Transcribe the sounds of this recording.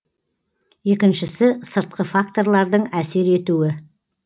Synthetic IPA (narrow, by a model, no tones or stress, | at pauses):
je̞kʲɪnʃɪsɪsəɾt̪̚qəfakt̪o̞rlˠɑɾd̪əɴæse̞ɾe̞t̪uwɪ